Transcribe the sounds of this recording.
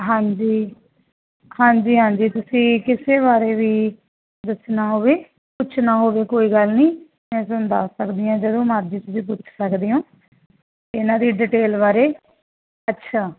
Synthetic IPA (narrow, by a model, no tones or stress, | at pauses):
ɦãːɲd͡ʒiː | hãːɲd͡ʒiːɦãːɲd͡ʒiːt̪ʊsĩːkɪseːβaːɾeːʋiː | d̪əsnaːɦoːʋeː | pʊt͡ʃʰnaːɦoːʋeːkoːiːɡəlnĩː | mɛ̃ːsʊnd̪aːsəkd̪iːãːd͡ʒəd̪õːmaːɾd͡ʒiːt̪ʊsĩːpʊt͡ʃʰsəkd̪iːõː | t̪eɪnãːd̪iːɖɪʈeːlbaːɾeː | ətːʃʰaː